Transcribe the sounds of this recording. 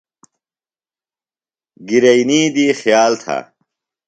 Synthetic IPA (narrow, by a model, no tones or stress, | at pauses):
ɡiɾɐjniːd̪iːxjaːlt̪ʰa̰